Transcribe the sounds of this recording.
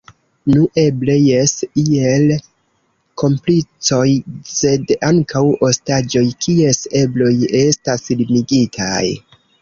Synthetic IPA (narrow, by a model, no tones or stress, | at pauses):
nuʔe̞ble̞jesiel | ko̞mplit͡so̞jse̞daŋkʰawo̞stad͡ʒo̞jkie̞se̞blo̞je̞staslimiɡitʰa̰j